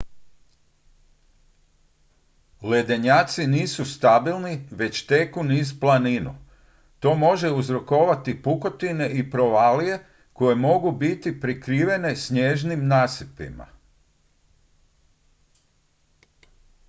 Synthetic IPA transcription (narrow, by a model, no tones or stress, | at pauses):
le̞d̪eɲaːt̪siniːsust̪abilˠniʋe̞t͡ɕt̪e̞kuniːzplˠaninṵ | t̪o̞ːmo̞ʒe̞uzɾo̞ko̞ʋat̪ipuko̞t̪ine̞ʔipɾo̞ʋaːlije̞ | ko̞je̞mo̞ɡubit̪ipɾikɾiːʋe̞ne̞sɲeʒnimnaːsipḭma̰